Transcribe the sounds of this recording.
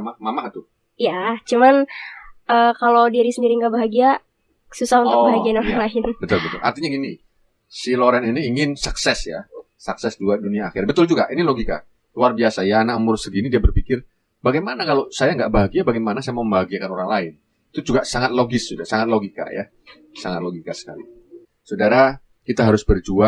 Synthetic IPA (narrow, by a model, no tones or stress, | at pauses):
mamamaht̪ʊ | ijat͡ʃuman | əːkalowdiɾisəndiɾiŋɡaʔbaɦaɡia | susahunt̪ʊkbaɦaɡianoɾaŋlaɪnbət̪ʊlbət̪ʊlʔa̰rt̪iɲaini | siloɾɛniniːŋɪnsaksɛsja̰ | saksɛsduaduniaːxɪ̰rbət̪ʊld͡ʒuɡaʔiniloɡika̰ | luarbiasajanaʔmʊrsəɡinidiabərpikɪr | baɡajmanakalosajaŋɡaʔbaɦaɡiabaɡajmanasajaməmbaɦaɡiakanoɾaŋlaɪn | it̪ud͡ʒuɡasaŋat̪̚loɡɪsudasaŋat̪̚loɡika̰ja̰ | saŋat̪̚loɡikasə̥ka̰lḭ | sodaɾa | kit̪aɦaɾʊsbərd͡ʒua